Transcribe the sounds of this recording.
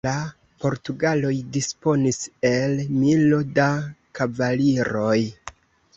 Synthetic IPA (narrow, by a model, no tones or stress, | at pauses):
la | po̞ɾtuɡalo̞jdispo̞nise̞lmilo̞dakavaliɾo̞j